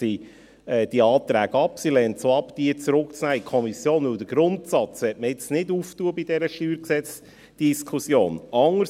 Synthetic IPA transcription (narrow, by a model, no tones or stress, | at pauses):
i | ɛːd̥iɑːt̪ɾæːɡɑpsilɛnt͡soɑpd̥iət͡sɾʊkt͡snæːikʰɔmisjoːnvɵld̥̪əɾɡ̥ɾʊntsɑt͡sʋɛt̚məɪt͡snɪduːftuəbidɛɾəʃtyːɾksɛt͡s | d̥iskʰusjoːnɑŋːə